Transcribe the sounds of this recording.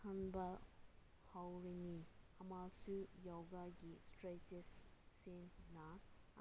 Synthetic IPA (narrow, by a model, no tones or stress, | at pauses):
kʰɐnbɐ | hawɾiniɐmasujawɡaɡistɾet͡ʃesːenːɐ